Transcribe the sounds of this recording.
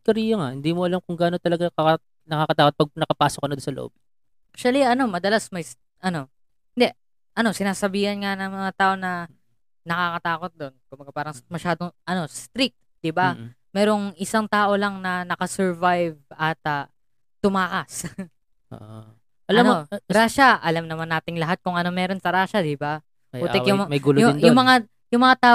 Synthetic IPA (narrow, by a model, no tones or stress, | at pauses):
kɐɾiːjɐŋahɪnd̪iːmoɐlamkʊŋɡaːnot̪ɐlɐɡaɐ | nɐkakɐt̪aːkot̪̚pɐɡ̚nɐkɐpaːsokɐnɐd̪ʊnsɐlo̰ʔo̰b̥̚ | ʔakʃɐliɐno̞mɐd̪ɐlasmɐjs | ʔɐno̞ | hɪnd̪ɛʔ | ʔɐno̞sɪnaːsɐbiːhɐnŋanɐŋmɐŋat̪aːʔo̞nɐ | nɐkakɐt̪aːko̞t̪̚d̪o̞nkʊmbɐɡapaːɾɐŋmɐʃaːd̪o̞ŋʔɐno̞st̪ɾik̚t̪̚ | d̪̥ɪba | mɛːɾo̞ŋɪsaŋt̪aːʔo̞lɐŋnɐnɐkɐsɛɹvajvɐt̪ɐ | t̪ːʊmaːkɐs | o̰ʔ | ʔɐlamnɾaːʃɐʔɐlamnɐmanːaːt̪ɪŋlɐɦat̪̚kʊŋʔɐno̞mɛːɾo̞nsɐɾaːʃɐd̪ɪba | uːɛkjʊŋmɐjɡuloɪjʊmɐŋa | jʊŋmɐŋat̪aː